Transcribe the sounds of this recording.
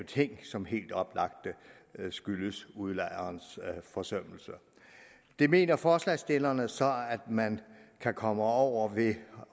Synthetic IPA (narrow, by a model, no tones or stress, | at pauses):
t͡sʰe̝ŋ̰sɒ̽mɦe̝̰ːld̥ɒ̽b̥lɑ̈ɡ̥̚d̥ə | sɡ̥yləsuðˠlɑ̈ɪ̰ɐːnsfɒ̽sœm̰l̩sə | d̥e̝me̝̰ːnɐfɒːslɛɪsd̥e̝lɐnəsɒ̽æd̥mænkʰækʰɒ̽məɒʊ̰ɐʋe̝